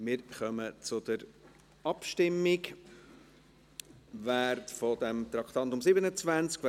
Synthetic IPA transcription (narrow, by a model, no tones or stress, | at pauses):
mɪːɾχœmət͡sʊd̪əɾ | ɑpʃtɪmːɪk | ʋæːrtfɔd̥̪ɛmt̪ɾɑkχt̪ɑnt̪ʊmsɪbənət͡svænt͡skv